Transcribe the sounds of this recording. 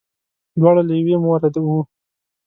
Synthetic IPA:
d̪wɑɽalajawemoɾad̪awu

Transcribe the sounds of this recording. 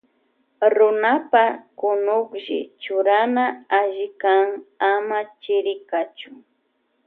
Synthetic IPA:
ɾʊnapakʊnʊkʒɪ̰t͡ʃʊɾanaaʒɪkaŋamat͡ʃɪɾɪkat͡ʃʊ̥

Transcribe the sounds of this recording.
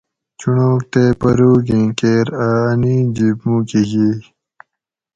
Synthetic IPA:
t͡ɕuɳoːk̚t̪eːpɐɾuːɡĩːkeːɾaːnĩːd͡ʑibmũːkiɦi

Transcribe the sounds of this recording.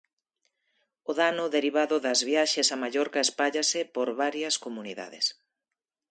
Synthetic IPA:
ʊðanʊðeɾiβ̞aðʊðɐzβjaʃesamaʎɔɾkɐespaʎasɪpoɾβaɾjɐskomuniða̰ðɪ̰s

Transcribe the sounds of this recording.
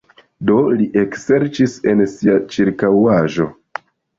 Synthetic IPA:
do̞liʔekse̞ɾt͡ʃise̞nsiat͡ʃiɾkawaʒo̞̰

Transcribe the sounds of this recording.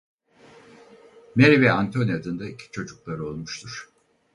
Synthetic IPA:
meɾivɛant̪ʰo̞nijad̪ɯnd̪aicʰi̥t͡ʃʰo̞d͡ʒuklˠaɾɯo̞lˠmuʃt̪ʰuɾ̥

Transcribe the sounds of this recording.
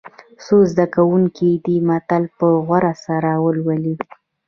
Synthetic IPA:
sozd̪akawuŋkid̪imat̪alpəɣwaɾasaɾawəlwali

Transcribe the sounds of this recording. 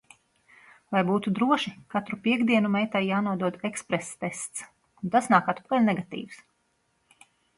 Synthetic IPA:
vajbuːt̪ud̪ɾuɔʃikat̪ɾupiɛɡd̪iɛnumɛjt̪ajjaːnuɔd̪uɔd̪ekspɾest̪est̪s | unt̪asnaːkat̪pkalʲnɛɡat̪ḭːws

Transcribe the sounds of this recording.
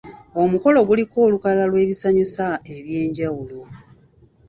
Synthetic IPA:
o̞muko̞lo̞ɡulikʰo̞ːlukalalwe̞ːβisaɲusae̞βje̞ːɲɟawulo̞

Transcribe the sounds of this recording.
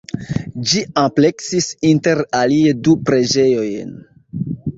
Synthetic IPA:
d͡ʒiample̞ksisinte̞ɾaliedupɾe̞d͡ʒe̞jo̞jn

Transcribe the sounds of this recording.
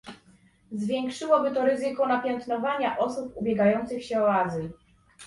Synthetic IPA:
zvʲjɛŋkʂɘwɔbɘt̪ɔɾɘzɘkɔnapʲjɛnt̪nɔvaɲaʔɔsupubʲjɛɡajɔnt̪sɘxɕɛɔazl

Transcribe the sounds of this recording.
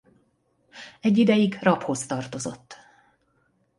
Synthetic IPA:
ɛɟːid̪ɛjiɡrɒpho̞st̪ɒrt̪o̞zo̞̰t̪ː

